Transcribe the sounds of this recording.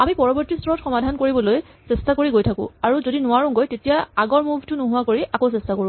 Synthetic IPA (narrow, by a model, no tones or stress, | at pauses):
amipɔɹɔbɔɹtistʰɔɹɔtxɔmadʱankoɹibɔloj | sestakoɹiɡojtʰakʊ̰̃aɹuzodinʊaɹũŋɡojtetijaaɡɔɹmubʱtʊnoɦʊwakoɹiʔakowsɛstakoɹʊ̃